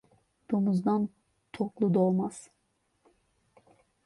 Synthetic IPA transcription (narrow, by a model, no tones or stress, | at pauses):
d̪̥omuzd̪an | t̪ʰoklˠud̪olˠmaz̥